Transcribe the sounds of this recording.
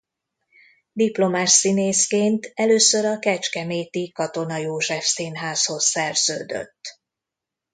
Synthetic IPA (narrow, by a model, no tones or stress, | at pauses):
d̪iplo̞maːʃsineːskeːnt̪ɛløːsøɾɒkɛt͡ʃkɛmeːt̪ikɒt̪o̞nɒjoːʒɛfsinɦaːsho̞sːɛrz̥ø̰ːd̪ø̰t̪ː